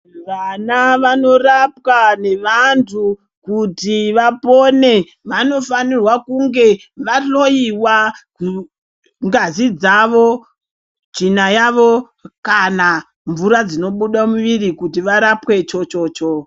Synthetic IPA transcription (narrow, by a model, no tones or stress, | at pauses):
ʋanaʋano̞rapwane̞ʋantʰu | kutiʋapo̞ne̞ | ʋano̞fanirwakuŋɡe̞ | ʋaɬo̞jiwaku | ŋɡazid͡zaʋo̞ | d͡ʒinajaʋo̞ | kana | ɱvuɾad͡zino̞ɓuɗamuʋirikutiʋaɾapwe̞t͡ʃo̞t͡ʃo̞ːt͡ʃo